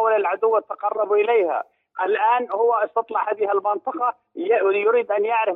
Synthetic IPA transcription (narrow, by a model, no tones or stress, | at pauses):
walɪlʕad̪ʊwːat̪ːɑqɑrˤːɑbʔɪleːha̰ | ʔɪlʔaːnhʊwːaʔɪst̪ɑt̪ˤlɑʕhaːðɪhalmɪnt̪ˤɑqɑ | jʊɾiːd̪ʔanjaʕɾɪ